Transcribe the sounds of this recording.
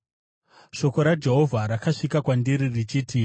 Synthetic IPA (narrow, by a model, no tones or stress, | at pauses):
ʃo̞ko̞ɾad͡ʒe̞ɦo̞vʱaɾakaʂikakwandiɾirit͡ʃiːti